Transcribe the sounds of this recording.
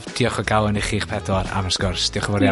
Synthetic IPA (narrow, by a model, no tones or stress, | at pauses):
d̥iɔχɔɡawənɪχiχpʰɛdɔɾa̰vasɡ̥ʊrsd̥iɔχəvɔɾja